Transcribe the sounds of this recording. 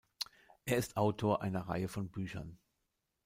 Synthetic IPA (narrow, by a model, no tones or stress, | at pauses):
ʔeːɐɪstʔaʊtʰoːɐʔa̰ɪnɐʁa̰ɪəfɔnbyːçɐ̰n